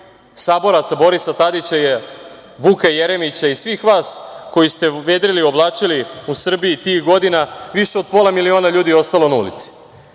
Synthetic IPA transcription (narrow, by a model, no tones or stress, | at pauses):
saːbo̞ɾat̪sabo̞ɾisat̪ad̪it͡ɕaje | ʋukajeɾemit͡ɕaisʋiːxʋaːsko̞jist̪e̞ʋe̞ːd̪ɾilio̞blˠaːt͡ʃiliusr̩bijit̪iːxɡo̞d̪inaʋiʃeo̞d̪̚po̞ːlˠamilio̞ːnaʎuːd̪io̞st̪alo̞naṵlḭt̪si̥